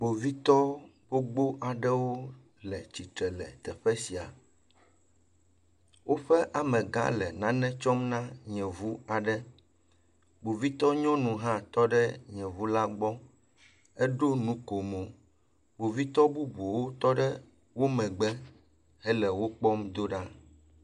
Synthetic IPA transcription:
bo˨vi˦t̪ɔ˦b̥o˦ɡ͡bo˦ʔa˨ɖɛ˦wo˦ | lɛ˨t͡ɕi˨t̪ɾɛ˨lɛ̰˨t̪ɛ˨ɸɛ˦si˨a̰˨ | wo˦ɸɛ˦ʔa˨mɛ̃˨ɡã̰˦lɛ˨nã˦nɛ̃˦t͡ʃɔ˦mnã˦ɲɛ̃˨vu˦a˨ɖɛ˦ | bo˨vi˦t̪ɔ˦ɲɔ̃˦nũ˨ɦã˦t̪ɔ˦ɖɛ˦ɲɛ̃˨vu˦la˦ɡ͡bɔ˦ | ɛ˦ɖo˦nũ˦ko˨mõ˨ | bo˨vi˦t̪ɔ˦bu˦bu˨wo˦t̪ɔ˦ɖɛ˦ | wo˦mɛ̃˨ɡ͡bɛ˦ | ɦɛ˦lɛ˨wo˦k͡pɔ˦md̪o˦ɖa˦

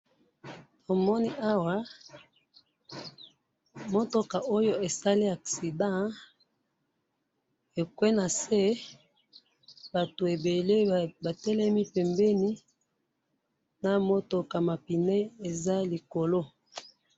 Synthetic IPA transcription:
to˨mɔ˦ni˦ʔa˦wa˦ | mo˦to˨ka˨ʔo˦jo˦e˨sa˦li˦a˨ksi˨dã˦ | e˨kwe˦na˨se˦ | ba˨to˨e˨be˨le˦ba˨tɛ˦lɛ˦mi˦pɛ˨mbɛ˦ni˦ | na˨mo˦to˨ka˨ma˨pi˨nɛ˦e˨za˦li˨ko˨lo˦

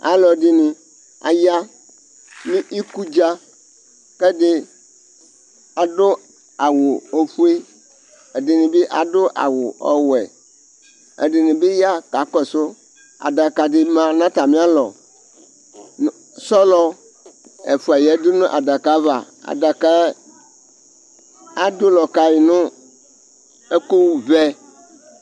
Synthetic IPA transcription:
a̰˨lɔ˨di˦nĩ˨ | a̰˨ja˦ | mĩ˦ʔi˦ku˦d͡ʒa˦ | ke˦dɪ˦ | a˨do˦ | a˨wo˨o˨ɸu˦e˦ | e˨di˨nĩ˨be˦ʔa˨do˦ʔa̰˨wʊ˨ʔɔ˦wɛ̰˨ | ḛ˨ɖi˨nĩ˨be˦ja˦ka˨kɔ˨so˦ | a̰˨da˨ka˨di˨mã˨nã˦t̪a˨mĩ˦a˦lɔ˨ | sɔ˦lɔ˦ | ḛ˨fu˨a˨jɛ˨˦d̪o˦nũ˦ʔa̰˨da˨ka˨˦va˨ | a̰˨da˨ka˦ | a˦d̪o˦lɔ˨ka˨ji˨nũ˦ | e˦ko˦wu˦vɛ˦

